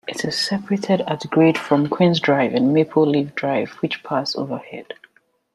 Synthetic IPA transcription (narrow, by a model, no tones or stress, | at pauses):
ʔɪtʰɪz̥sɛpəɹetʰɪdatɡɹed̥fɹɔ̃mkʰw̥ɪ̃nzdɹaɪvɨ̃nmepʰəlivdɹaɪvwɨt͡ʃpʰaso̰və˞hɛ̰d̥